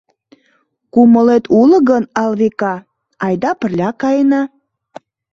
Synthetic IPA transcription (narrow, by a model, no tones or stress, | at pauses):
kuməlet̪ʰulə̆ɣənɑlβekɑ | ɑjd̪ɑpə̆rlʲɑkɑjnɑ